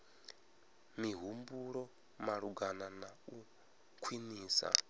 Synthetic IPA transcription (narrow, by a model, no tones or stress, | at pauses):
miɦumbuɺɔ | maɺuɡananau | kʰwiniːsa̰